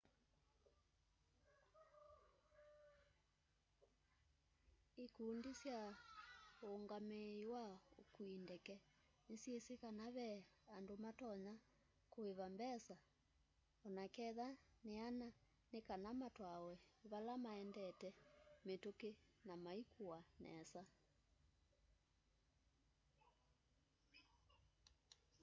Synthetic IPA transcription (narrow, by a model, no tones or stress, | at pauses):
ekuːndisja | oːŋɡameiwaokuindɛkɛ | nesjesekanaβɛandomatɔɲa | koeβambɛsa | ɔnakɛðaneana | nekanamatwawɛβalamaɛndɛtɛmetokenamaikʰuanɛ̰sa